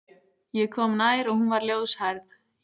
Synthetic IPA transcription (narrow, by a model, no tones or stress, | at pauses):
jɛɣkʰɔːmnaːjɾɔɣhunvaɾljoːwðshaɾð